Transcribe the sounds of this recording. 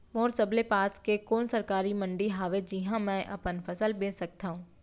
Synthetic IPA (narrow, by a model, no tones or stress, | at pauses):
moːɾsɐblepaːskekoːnsɐɾkaːɾimɐ̃ɳɖiɦaːʋed͡ʒiɦãmɛ̃ːʔɐ̰pənfʰɐsəlbẽːsɐk̚t̪aːɦũː